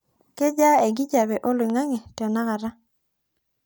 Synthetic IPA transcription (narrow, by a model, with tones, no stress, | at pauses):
kɛ˦d͡ʒa˦e˨ɡi˦d͡ʒa˨bɛ˨ʔo˦lwɪ˨ŋa˦ŋɛ˨tɔ˨na˦ka˨ɾa˦